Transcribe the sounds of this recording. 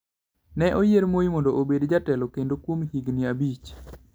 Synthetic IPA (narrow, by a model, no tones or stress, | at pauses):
nɛʔojeɾmojimɔndoʔobedd͡ʒatɛlokendokwomhiɡnɪabit͡ʃ